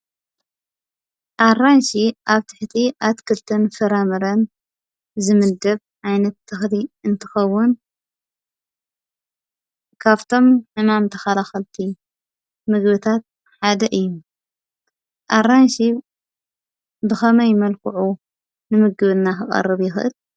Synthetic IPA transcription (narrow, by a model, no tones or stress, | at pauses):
ʔaranʃiʔaβt̪ʰɨħt̪ʰiʔat̪kʰɨlt̪ʰɨnfɨɾamɐɾɐn | zɨmɨd̪ɐβ | ʕajnɐt̪ːʰɨxliɨnt̪ʰɨ̥xɐwːʊn | kʰaβt̪ʰo̞mħɨmamt̪ʰɐxalaxɐlt̪ʰi | mɨɡβɨt̪ʰat̪̚ | ħad̪ɐʔɨjːu | ʔaranʃi | bɨxɐmɐjmɐlkʰɨʕu | nɨmɨɡɨβɨnːaxɨχʼɐ̰rɨβjɪxɨʔɨ̰l